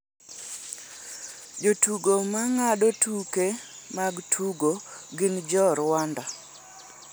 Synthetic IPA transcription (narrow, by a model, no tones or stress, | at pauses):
d͡ʒotuɡomaŋaɗotuke | maɡtʰuɡoɡɪnd͡ʒɔɾwanda